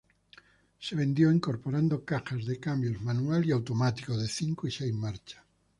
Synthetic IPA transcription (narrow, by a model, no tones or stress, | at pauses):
seβ̞end̪jowiŋkoɾpoɾand̪okaxazðekambjozmanualiawt̪omat̪i̥koðeθiŋkoisejmaɾt͡ʃḁ